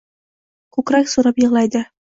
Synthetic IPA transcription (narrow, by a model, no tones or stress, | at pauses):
kʉkɾæksuɾɑpjɤ̆ʁlˠɑjd̪ɤ